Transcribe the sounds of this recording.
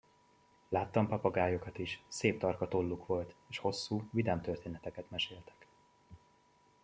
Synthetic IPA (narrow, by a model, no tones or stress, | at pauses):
laːt̪ːɒmpɒpɒɡaːjo̞kɒt̪iʃseːp̚t̪ɒrkɒt̪o̞lːukʋo̞lt̪eːʃho̞sːuːvid̪amt̪ørt̪eːnɛt̪ɛkɛt̪mɛʃeːlt̪ɛ̥k